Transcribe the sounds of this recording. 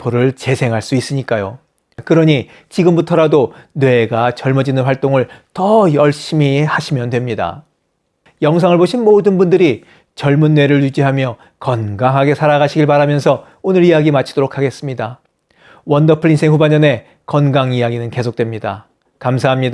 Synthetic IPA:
poɾɯɭt͡ɕe̞sʰe̞ŋɦaɭs͈uis͈ɯɲik͈ajo | kɯɾʌɲi | t͡ɕiɡɯmbutʰʌɾadonwe̞ɡat͡ɕʌɭmʌd͡ʑinɯnɸwaɭt͈oŋɯɭtʌjʌɭɕ͈imihaɕʰimjʌndwe̞mɲida̰ | jʌŋs̬ʰaŋɯɭboɕʰinmodɯnbundɯɾi | t͡ɕʌɭmunːwe̞ɾɯɭjud͡ʑiɦamjʌ | kʌnɡaŋɦaɡe̞sʰaɾaɡaɕʰiɡiɭpaɾamjʌnsʰʌ | onɯɾijaɡimat͡ɕʰid̥oɾokʰaɡe̞s͈ɯmɲida | wʌndʌpʰɯɭinsʰeŋhubaɲʌne̞ | kʌnɡaŋijaɡinɯnke̞sʰok̚t͈we̞mɲida̰ | kamsʰaɦamɲida

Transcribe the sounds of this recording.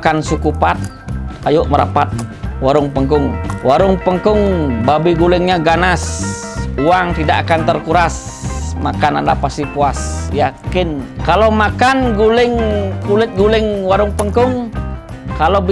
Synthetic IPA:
kansukupat̪̚ | ajʊʔməɾa̰pat̪̚waɾʊŋpəŋkʊŋwaɾʊŋpəŋkʊŋbabiɡulɪŋɲaɡanas | uaŋt̪idakakant̪ərkuɾas | makana̰nda̰past̪ipuasjakɪnkalomakanɡulɪŋkulɪt̪̚ɡulɪŋwaɾʊŋpəŋkʊŋ | kalob

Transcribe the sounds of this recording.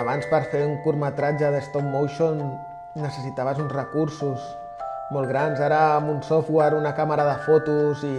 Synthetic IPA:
βanspəɾfeuŋkuɾmət̪ɾad͡ʒəðəst̪opmowʃonː | əsəsit̪aβəzunzrəkuɾsus | molˠɣɾanzaɾəːmunsofweɾunəkaməɾəðəfot̪uzi

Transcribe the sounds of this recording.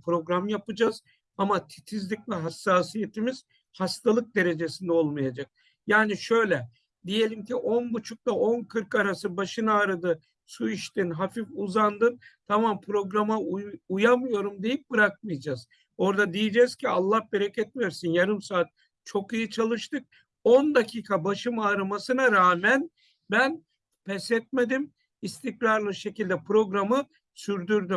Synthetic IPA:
pʰɾo̞ɡɾamjapɯd͡ʒaz̥ | amat̪ʰi̥t̪ʰizlʲicvɛɦasːaːsije̞t̪ʰimiz̥ | hast̪ʰalˠɯk̚d̪e̞ɾe̞d͡ʒe̞sind̪ɛo̞lˠmajad͡ʒak̚ | jaːniʃø̞jlʲɛ | d̪ije̞lʲimcʰiʔo̞nbut͡ʃʰuk̚t̪ˠaʔo̞nkʰɯɾkaɾasɯbaʃɯnaːɾad̪ɯ | suiʃt̪inɦafifuzand̪ɯnt̪ʰamampʰɾo̞ɡɾamaujamɯjo̞ɾumd̪e̞jip̚b̥ɯɾak̚mɯjd͡ʒaːz̥ | o̞ɾd̪ad̪ijid͡ʒɛz̥cʰialˠːahbeɾacʰɛt̪̚mijoɾsinjaɾɯmsaːt̪̚ | t͡ʃʰo̞kijit͡ʃʰalˠɯʃt̪ɯk̚ | ond̪acʰiːkʰabaʃɯmaːɾamasɯnaɾaːmæn | bæn | pʰɛsɛt̪̚me̞d̪im | ist̪ʰiklʲˠaɾlˠɯʃe̞cilʲd̪ɛpɾo̞ɡɾamɯ | syɾd̪yɾd̪ym

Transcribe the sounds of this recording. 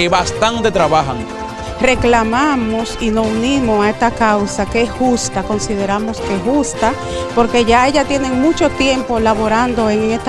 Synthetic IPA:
eβast̪ant̪et̪ɾaβaxaŋ | reklamamosinosunimosaest̪akawsakeesxust̪ako̞nsið̞eɾamoskexust̪a | poɾke̞ʝaeʝat̪je̞neŋmut͡ʃo̞t̪jempolaβoɾand̪oeŋeŋest̪

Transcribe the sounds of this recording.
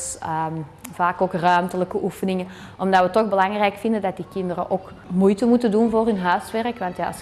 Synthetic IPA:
səvaːkoːkrœɥmtələkəʔufənɪŋən | ʔɔmdɑtʋətɔɣbəlɑŋrɛjkfɪndəndɑt̚dikɪndəɾəʔoːk | mujtəmutədunvoːrɦɵnɦœːɥsʋɛrəkʋɑntja̰ːs

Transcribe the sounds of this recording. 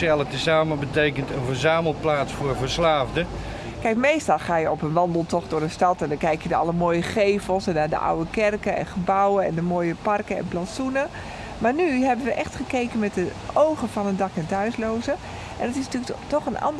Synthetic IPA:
ɛlˠətəsaːməbətejkəntənvəɹzaːməl̩ˠt̚plaːtsfʊːɹvəɹslaːvdə | kɛjkmejstɑlˠχaːjəɔpənʋɑndəlˠtɔχdʊrəstɑtɛndɔnkɛjkjədəɑləmoːjəχeːfəlˠsɛndaːdə̰ʔa̰wəkɛrkəɛ̰̃nχəbawəɛ̰ndəmoːjəpɑrkəɛ̰̃nplasunə | maːɹnyɦɛbənʋəʔɛxtχəkejkənmɛt̚dəʔowɣəfɔnəndɑkɛntœɥsloːzə | ʔɛndɔtɪsntyəktɔχənʔɑ̰nd

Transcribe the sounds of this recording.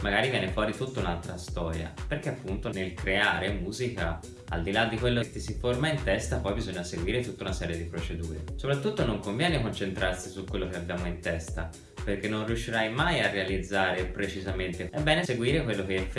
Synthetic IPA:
maɡaːɾivjɛːnefwɔːɾit̪ut̪ːaunalt̪ɾast̪ɔːɾja̰perk̟eapːunt̪onelkɾeaːɾemuːzika̰ | a̰ld̪ilad̪ːikwelːot̪ːisiformaint̪ɛst̪apɔjbizoɲːaseɡwiːɾet̪ut̪ːaunasɛːɾjed̪ipɾot͡ʃed̪uːɾḛsopɾat̪ːut̪ːonoŋkoɱvjɛːnekont͡ʃent̪ɾʔarsisukːwelːokeabːjaːmoint̪ɛst̪a̰ | perkenːõnriuʃːiɾajmajarːealid̪zːaːɾepɾet͡ʃizament̪eɛbːɛːneseɡwiːɾekwelːokeɛf

